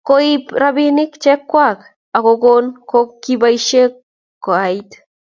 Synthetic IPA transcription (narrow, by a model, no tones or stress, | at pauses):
koipɾabinɪkt͡ʃɛkːwak | akokonkokːibaiʃek | kːoait̪